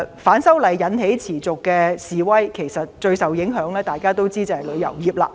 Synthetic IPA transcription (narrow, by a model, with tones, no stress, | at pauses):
faː˨˥nsɐ˥wlɐ˨˩jːɐ˨˧˥nhe˨˥jt͡sʰiː˨˩t͡sʊ˨kːɛː˧siː˨wɐ˥jkʰe˨˩jsɐ˨t̚t͡ʃɵ˧ɥsɐ˨wjɪ˨˥ŋɦœː˨˥ŋlɛː˥t̪aː˨˩jkaː˥t̪o˥wt͡siː˥t͡sɐ˨˧hɐ˨˩lɵ˨˧ɥjɐ̰˨˩wjiː˨p̚la̰ː˧